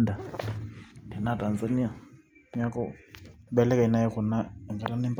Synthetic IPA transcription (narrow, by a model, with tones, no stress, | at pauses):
nda˨ | tʰɛ˨na˦˨tʼa˨nza˨ni˦a˨˦ | a˦kɔ˦bɛ˦lɛ˦ka˨i˨˦na˦ɛ˦kʊ˨na˦ɛ˨ŋɡɛ˨la˦nɛ˦m˦p